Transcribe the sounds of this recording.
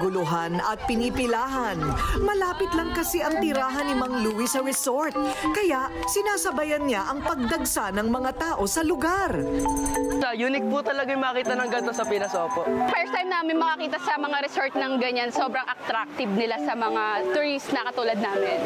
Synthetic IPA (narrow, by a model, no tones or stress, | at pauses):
ɡʊlʊɦanɐt̪̚pɪnipɪlaːɦɐnmɐlaːpɪt̪lɐŋkɐsɛʔɐŋt̪ɪɾaːɦɐnːɪmɐŋluːwisɐɾɛsoɹt̪̚kɐjaʔ | sɪnaːsɐbɐjɐnɲaʔɐŋpɐɡ̚d̪ɐɡsanɐŋmɐŋat̪aːʔo̞sɐlʊɡaɾ | sɐjuːnɪk̚put̪ɐlɐɡajmɐkiːt̪ɐnɐŋɡɐnt̪osɐpɪnɐsoːpoʔfɛst̪ajmnaːmɪnmɐŋɐkiːt̪ɐsɐmɐŋaɾɛsoɹt̪̚nɐŋɡɐɲansoːbɾɐŋʔɐk̚t̪ɾak̚t̪ɪbnɪlasɐmɐŋat̪ɾisnɐkɐt̪uːlɐd̪̚naːmɪn